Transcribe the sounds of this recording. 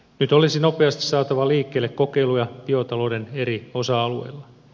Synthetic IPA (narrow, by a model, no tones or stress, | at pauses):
nyt̪olisino̞pe̞ɑst̪isɑːt̪ɑʋɑliːkːe̞ːlːekko̞ke̞ilujɑpiot̪ɑlo̞ːde̞ne̞ɾio̞sɑɑlue̞̰jlːɑ